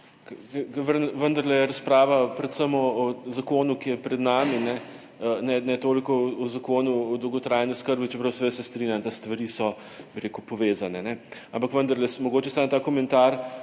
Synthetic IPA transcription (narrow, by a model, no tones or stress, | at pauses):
kkʋənʋənd̪ɐɾlɛjɛɾɐspɾaːʋapɾɛt̪səmɔɔzakoːnukijɛpɾɛd̪naːminɛ | nɛnɛt̪oːlikɔɔzakoːnuɔd̪əwɡɔt̪ɾaːjniʊskəɾbit͡ʃɛpɾɐwsɛʋesɛst̪ɾiːnʲjamt̪ast̪ʋɐɾisɔ | biɾekupɔʋeːzanɛnɛampakʋənd̪ɐɾlɛsmɔɡoːt͡ʃɛsant̪aːkɔmɛnt̪aɾ